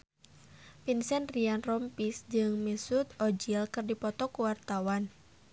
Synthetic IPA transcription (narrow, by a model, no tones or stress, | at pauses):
pinsɛnrianrɔmpisd͡ʒɨŋmisut̪̚ɔd͡ʒilkɨrdipɔt̪ɔkuwart̪awan